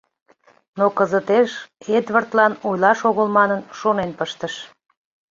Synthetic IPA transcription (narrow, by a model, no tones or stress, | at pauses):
nokəzət̪eʃed̪βərt̪lɑnojlɑʃoɣəlmɑnənʃonenpəʃt̪əʃ